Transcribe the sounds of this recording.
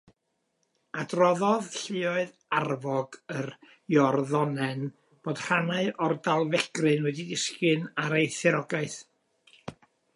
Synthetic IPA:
adrɔðɔðɬɪɔɨð | arvɔɡər | jɔrðɔnɛn | b̥oːd̥r̥anaɨʔɔrdalˠvɛɡ̥rɨnwɛdidɪskɨnaɾejθɪɾɔɡaɨθ

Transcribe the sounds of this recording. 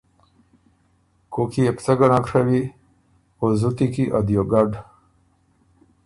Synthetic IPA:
kokiept͡saɡanãkʂawi | ozut̪ikiʔad̪joɡaɖ

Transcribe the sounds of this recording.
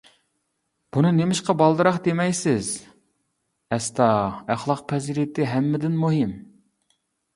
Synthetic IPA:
b̥unɨnemɪʃqɑbɑlˠd̪ɨɾɑχd̪emɛjsɪz | ɛst̪ʰɑæχlˠɑq̚pʰɛzɾit̪ʰɪɦɛmːɪd̪ɪnmuɦɪm

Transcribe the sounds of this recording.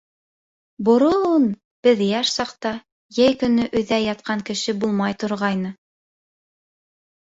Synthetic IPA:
bŏɾŏlˠun | b̥ɘðjæʃsɑqt̪ɑ | jæjkɵ̆nɵʔɵ̆ðæjɑt̪̚qɑŋkɘ̆ʃɘbulˠmɑjt̪ŏɾʁɑjnɤ

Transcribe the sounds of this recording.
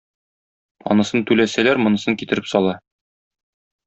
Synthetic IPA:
ɒ̰nɤ̆sɤnt̪ʉlæsælæɾmɤ̆nɤ̆sɤŋkit̪ɘ̆ɾɘpsɒlˠɑ

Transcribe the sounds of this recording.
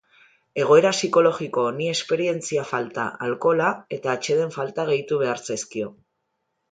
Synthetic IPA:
e̞ɣ̞o̞e̞ɾasiko̞lo̞ɣiko̞ːnie̞spe̞ɾie̞nt͡siafalt̪a̰ʔalko̞lae̞t̪aːt͡ʃe̞ð̞e̞ɱfalt̪aɣ̞e̞jt̪uβ̞e̞aɾt͡seskio̞

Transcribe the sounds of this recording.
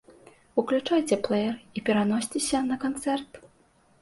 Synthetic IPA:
uklʲut͡ʂajt͡sʲɛplˠɛjɛripʲɛɾanɔsʲt͡sʲesʲɐnɐkant̪sɛrt̪

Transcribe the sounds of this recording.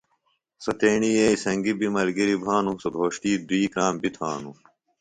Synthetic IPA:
sɐt̪eːɳieːisɐŋɡibimɐlɡiɾibʱaːnusɐbʱoːɕʈiːd̪uiːkɾaːmbit̪ʰaːnu

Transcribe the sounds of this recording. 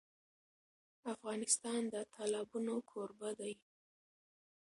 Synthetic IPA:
afɣɑnɪst̪ɑnd̪ət̪ʰɑlɑbunokʰoɾbad̪aj

